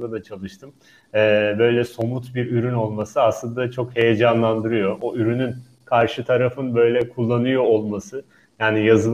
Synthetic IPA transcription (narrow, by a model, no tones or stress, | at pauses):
d̪ad̪at͡ʃʰalˠɯʃt̪ʰɯm | ɛːbø̞jlʲɛso̞mut̪biɾyɾyno̞lˠmasɯaslˠɯnd̪at͡ʃʰo̞khe̞jed͡ʒanlˠand̪ɯɾɯjo̞ʔoyɾynyn | kʰaɾʃɯt̪ʰaɾafɯnbø̞jlʲɛkʰulˠːanɯjo̞ːlˠmasɯ | jaːnijazɯlˠ